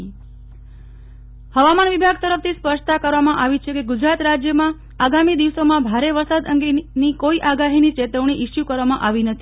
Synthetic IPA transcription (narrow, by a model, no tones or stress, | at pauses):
həʋamanʋibʱaɡ̚t̪əɾəft̪ʰispəʃt̪akəɾʋamãʔaʋit͡ʃʰekeɡʊd͡ʒɾat̪ɾad͡ʒjəmã | aɡamid̪iʋsomãbʱaɾeʋəɾsad̪əŋɡenikoiʔaɡaɦinit͡ʃet̪əʋɳ̃iʔɪʃjukəɾʋamãʔaʋinət̪ʰi